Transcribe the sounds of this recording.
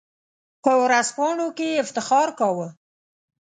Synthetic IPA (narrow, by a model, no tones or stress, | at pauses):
pəwʊɾaspɑɳokeɪft̪ɪxɑɾkɑwə